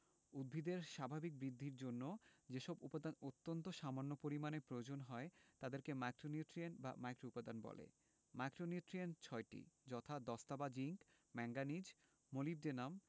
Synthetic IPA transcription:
ud̪̚bʱid̪eɾʃabʱabik̚bɾid̪ʱːiɾd͡ʑonːod͡ʑeʃɔbupad̪anot̪ːont̪oʃamanːopoɾimanepɾood͡ʑonɦɔet̪ad̪eɾkemajkɾoniuʈɾianba̰majkɾoupad̪anbɔ̰lḛ | majkɾoniuʈɾient͡ɕʰɔeʈḭd͡ʑɔt̪ʰad̪ɔst̪abad͡ʑiŋk | mɛŋɡanid͡ʑ | molib̚denam

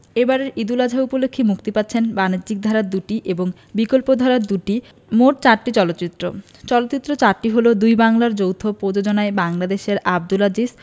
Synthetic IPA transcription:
ebaɾeɾid̪ulad͡ʑʱaupolokʰːimukt̪ipatːɕʰenbanidd͡ʑik̚d̪ʱaɾaɾd̪uʈiʔeboŋ | bikolpod̪ʱaɾaɾd̪uʈi | moʈ̚t͡ɕaɾʈit͡ɕɔlot̪ːɕit̪ːɾo̰ | t͡ɕɔlot̪ːt͡ɕit̪ːɾot͡ɕaɾʈiɦolod̪ujbaŋlaɾd͡ʑowt̪ʰopɾod͡ʑod͡ʑonaebaŋlad̪eʃeɾab̚d̪ulad͡ʑis

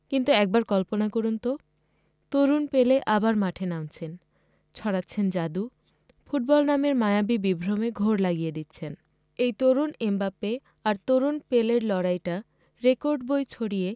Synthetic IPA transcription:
kint̪uɛk̚baɾkɔlponakoɾunt̪o | t̪oɾunpeleʔabaɾmaʈʰenãnt͡ɕʰen | t͡ɕʰɔɽatːɕʰend͡ʑad̪u | fuʈ̚bɔlnameɾmajabibibʱɾomeɡʱoɾlaɡijed̪it̪ːɕʰen | ejt̪oɾunembape | aɾt̪oɾunpeleɾlɔɽajʈa | ɾekoɾɖbojt͡ɕʰoɽije

